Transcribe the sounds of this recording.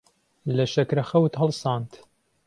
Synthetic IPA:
lɐʃɐkɾɐxɐwt̪hɨlˠsɑːnt̪

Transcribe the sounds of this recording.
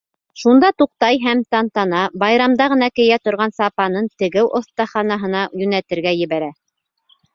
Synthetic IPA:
ʃund̪ɑt̪uq̚t̪ɑjɦæmt̪ɑnt̪ɑnɑbɑjɾɑmd̪ɑʁɤ̆n̪ɑkɘ̆jæt̪ŏɾʁɑnsɑpɑnɤnt̪ɘ̆ɡɘwʔŏθt̪ɑχɑnɑɦɤ̆nɑjɵ̆næt̪ɘ̆ɾɡæjɘ̆βæɾæ

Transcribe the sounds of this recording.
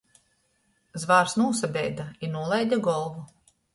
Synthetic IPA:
zvaːɾsnuːsabʲɛjd̪ainuɔlˠajd̪ʲaɡɔlˠvu

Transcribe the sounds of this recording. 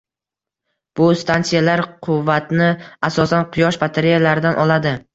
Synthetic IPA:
b̥ʊst̪ʰansijalaɾqʰʊvːat̪nɪasɒsanqʰʊjɒʃbat̪ʰeɾijalaɾɪd̪anʔɒlˠad̪ɪ

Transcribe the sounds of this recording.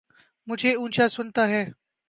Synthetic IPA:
mud͡ʒʱeunt͡ɕjasont̪aɦɛː

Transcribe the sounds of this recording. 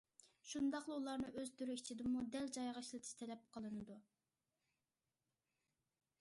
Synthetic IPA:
ʃund̪ɑqlˠɨulˠɑɾnɨʔøzt̪ʰyɾyit͡ʃʰid̪ɪmud̪ɛld͡ʒɑjʁɑʃlˠɨt̪ʰɨ̥ʃt̪ʰɛlɛp̚qʰəlˠɨnɨd̪u

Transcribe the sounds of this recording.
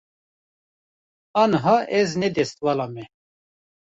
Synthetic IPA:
ɑːnəɦɑʔɛznɛd̪ɛst̪̚wɑlɑmɛ

